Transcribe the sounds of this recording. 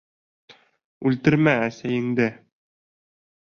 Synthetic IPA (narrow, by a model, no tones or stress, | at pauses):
ʉlt̪ɘ̆ɾmæːsæjɘ̆ŋd̪ɘ